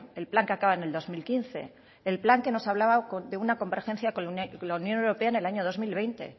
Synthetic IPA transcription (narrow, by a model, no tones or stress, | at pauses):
elplaŋkeakaβaene̞ld̪o̞zmilkinθe̞̰ː | lplaŋke̞no̞saβlaβakod̪e̞unako̞mbeɾxẽ̞nθjakolaunjonewɾope̞aene̞laɲo̞ð̞o̞zmilβejnt̪e̞̰